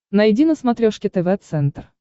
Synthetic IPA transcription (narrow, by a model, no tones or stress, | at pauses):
nɐjɪdʲinəsmɐt̪ɾʲoʂkʲɪt̪ɛvɛt̪sɛnt̪r